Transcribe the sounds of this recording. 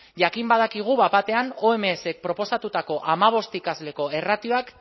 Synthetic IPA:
ʝakimbaðakiɣ̞uβapat̪e̞anoe̞meːse̞k̚pɾo̞po̞sat̪ut̪ako̞ʔamaβ̞o̞st̪ikazle̞ko̞e̞rat̪io̞ak

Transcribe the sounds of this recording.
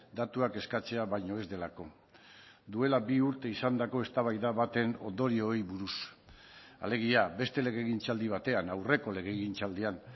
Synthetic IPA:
d̪at̪uake̞skat͡se̞aβajɲo̞e̞zd̪e̞lako̞ | d̪ue̞labiuɾt̪e̞isand̪ako̞e̞st̪aβajðaβat̪e̞no̞̰nd̪o̞ɾio̞ejβuɾus | a̰le̞ɣ̞iabe̞st̪e̞le̞ɣe̞ɣint͡sald̪iβ̞at̪e̞anawre̞ko̞le̞ɣe̞ɣint͡sald̪ian

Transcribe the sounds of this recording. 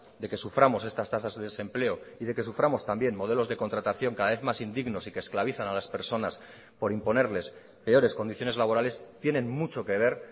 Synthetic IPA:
d̪e̞ke̞sufɾamo̞se̞st̪ast̪asazðeðese̞mple̞oiðe̞ke̞sufɾamo̞st̪ambje̞nmo̞ð̞e̞lo̞zðe̞ko̞nt̪ɾat̪aθjo̞ŋkaðaβe̞θmasind̪iɣno̞sike̞ːsklaβiθanalaspe̞ɾso̞nas | po̞ɾimpo̞ne̞ɾle̞s | pe̞o̞ɾe̞sko̞nd̪iθjo̞ne̞zlaβo̞ɾale̞st̪je̞nẽ̞nmut͡ʃo̞ke̞β̞e̞ɾ

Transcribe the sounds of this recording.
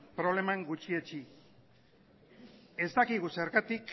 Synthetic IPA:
pɾo̞β̞le̞maŋɡut͡ʃiet͡ʃi | e̞zt̪akiɣuseɾkat̪ik

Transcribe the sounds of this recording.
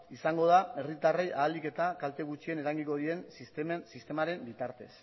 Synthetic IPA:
isaŋɡo̞ð̞ae̞rit̪arejʔaːlike̞t̪akalt̪e̞ɣut͡ʃie̞neɾaŋɡiŋko̞ðie̞nssist̪e̞maɾe̞mbit̪aɾt̪e̞̰s

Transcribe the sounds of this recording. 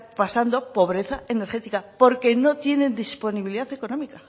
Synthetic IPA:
pasand̪o̞po̞β̞ɾe̞θae̞ne̞ɾxe̞t̪ikapo̞ɾke̞no̞t̪je̞nẽ̞nd̪ispo̞niβiliðaθe̞ko̞nomika

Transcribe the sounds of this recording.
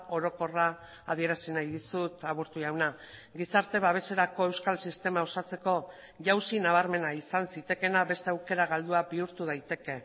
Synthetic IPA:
o̞ɾo̞ko̞raː | ð̞ie̞ɾasinajðisut̪aβ̞uɾt̪uʝawna | ɡisaɾt̪e̞βaβ̞e̞se̞ɾako̞e̞wskalsist̪e̞mao̞sat͡se̞ko̞ | ʝawsinaβ̞aɾme̞naisansit̪e̞ke̞naβe̞st̪eawke̞ɾaɣald̪uabiuɾt̪uð̞ajt̪e̞ke̞

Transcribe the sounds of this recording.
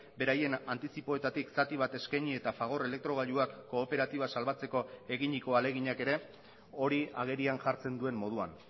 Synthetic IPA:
be̞ɾaje̞nant̪isipo̞et̪at̪iksat̪iβ̞at̪e̞skaɲie̞t̪afaɣ̞o̞ɾe̞le̞k̚t̪ɾo̞ɣ̞aʎuakːo̞ːpe̞ɾat̪iβ̞asalβat͡se̞ko̞eɣiɲiko̞ale̞ɣ̞iɲake̞ɾe̞ | o̞ɾia̰ɣ̞e̞ɾianʝaɾt͡se̞nd̪ue̞mmo̞ð̞ua̰n

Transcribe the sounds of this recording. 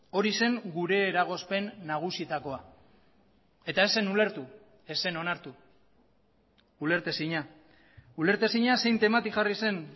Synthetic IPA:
o̞ɾise̞ŋɡuɾe̞ːɾaɣ̞o̞spe̞nːaɣ̞usit̪ako̞a | et̪ae̞se̞nule̞ɾt̪u | e̞se̞no̞naɾt̪u | ule̞ɾt̪e̞siɲa | ule̞ɾt̪e̞siɲase̞jnt̪e̞mat̪iʝarise̞n

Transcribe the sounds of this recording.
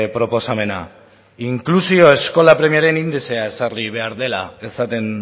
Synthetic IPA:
pɾo̞po̞same̞na̰ | iŋklusio̞e̞sko̞lapɾe̞mijaɾe̞nind̪ese̞ae̞sarliβ̞e̞aɾðe̞la̰e̞sat̪e̞n

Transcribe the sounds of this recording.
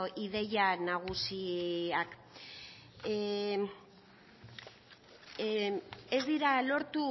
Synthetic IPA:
ʔiðe̞janaɣ̞usiak | e̞zd̪iɾalo̞ɾt̪u

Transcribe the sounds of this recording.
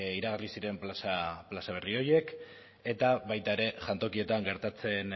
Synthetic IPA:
iɾaɣ̞arlisiɾe̞mplasaplasaβ̞e̞rio̞je̞k | e̞t̪aβajt̪ae̞ɾe̞ʝant̪o̞kie̞t̪aŋɡe̞ɾt̪at͡se̞n

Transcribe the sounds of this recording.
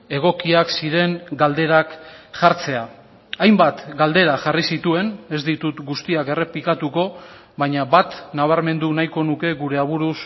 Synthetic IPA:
e̞ɣ̞o̞kiaksiɾe̞ŋɡald̪e̞ɾakʝaɾt͡se̞a | ajmbat̪ɡald̪e̞ɾaʝarisit̪ue̞ne̞zd̪it̪ut̪ɡust̪iake̞re̞plikat̪uko̞ | βaɲaβat̪naβ̞aɾme̞nd̪unajko̞nuke̞ɣuɾe̞aβ̞uɾus

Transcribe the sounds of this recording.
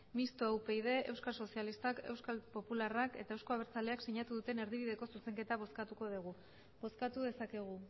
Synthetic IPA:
mist̪oawpe̞ið̞e̞ewskaso̞sialist̪ake̞wskalpo̞pularake̞̰t̪ae̞wsko̞aβeɾt͡sale̞akseɲat̪uðut̪e̞ne̞ɾðiβ̞iðe̞ko̞suse̞ŋke̞t̪aβ̞o̞skat̪uko̞ð̞iɣ̞u | bo̞skat̪uðe̞sake̞ɣ̞u

